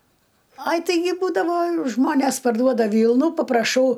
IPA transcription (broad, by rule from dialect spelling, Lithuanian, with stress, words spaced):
ˈɐɪ tɐɪˈɡʲɪ ˈbuːdɐʋoː ˈʒmoːnʲeːs pɐrˈduɔdɐ ˈʋʲiːlˠnuː pɐprɐˈʃɐʊ